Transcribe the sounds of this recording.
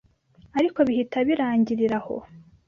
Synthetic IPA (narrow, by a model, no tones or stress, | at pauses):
aɾiko̞βihitaβiɾaːɲɟiɾiɾaho̰